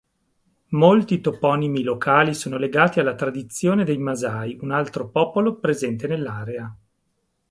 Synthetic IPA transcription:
molt̪it̪opɔnimilokʰaːlisoːnoleɡaːt̪ialːat̪ɾad̪it̪sːjoːned̪ejmazaːjunalt̪ɾopɔːpolopɾezɛnt̪enelːaːɾea

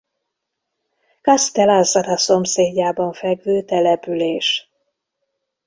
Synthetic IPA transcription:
kɒst̪ɛlɑzɒɾɒso̞mseːɟːaːbɒɱfɛɡvøːt̪ɛlɛpyleːʃ

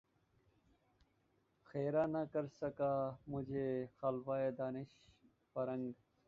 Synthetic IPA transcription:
xeːɾaːnakɐɾsɐkaːmʊd͡ʑʱexalʋaːjed̪aːnɪʃ | fɐɾɐŋɡ

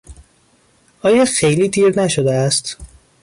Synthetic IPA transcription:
ʔɒːjɒːxejliːt̪ʰiːɾnæʃod̪eæst̪

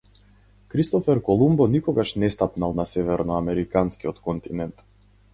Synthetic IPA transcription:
kɾist̪ɔfɛɾkɔlˠumbɔnikɔɡaʃnɛst̪apnalˠnasɛvɛɾnɔamɛɾikanskiɔt̪kɔnt̪inɛnt̪

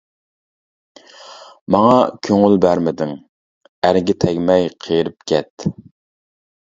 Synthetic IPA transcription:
mɑŋɑkʲʰøŋylbæɾmɪd̪ɪŋ | æɾɡʲɪt̪ʰɛɡʲmɛjqʰejɾɪp̚kʲʰɛt̪

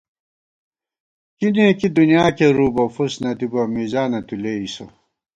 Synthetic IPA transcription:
kinẽːkid̪unjaːkeɾuːbɐfusnɐt̪ibɐmizaːnɐt̪uleːiso̰

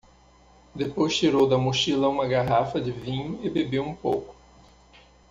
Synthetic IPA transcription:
d̪epojst͡ʃiɾowd̪ɐmuʃilɐũmɐɡaɦafɐd͡ʒɪvĩɲʊɪbebewũpo̰wkʊ̥

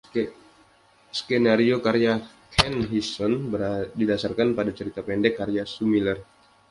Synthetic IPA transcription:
skɛnaɾiokaɾea | kʰɛnɦisɔnbədidasarkanpadat͡ʃəɾit̪apɛndɛkːaɾeasumilɛr

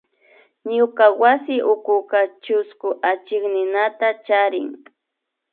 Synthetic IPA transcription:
ɲʊkawasɪʔʊkʊkat͡ʃʊskʊʔat͡ʃɪknɪnat̪at͡ʃaɾɪŋ

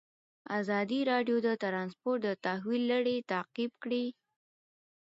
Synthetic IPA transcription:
azɑd̪iɾɑɖjod̪ət̪ɾɑnspoɾʈ̚d̪ət̪ahwilːaɽet̪aqibkɽi

